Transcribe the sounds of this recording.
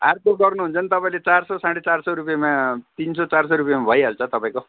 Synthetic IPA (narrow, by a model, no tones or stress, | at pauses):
art̪oɡʌrnuɦunt͡sʌnit̪ʌpaĩlet͡sarsʌsãɽet͡sarsʌɾup̬jamat̪insʌt͡sarsoɾupijamabʱʌjɦalt͡sʰʌt̪ʌpãĩko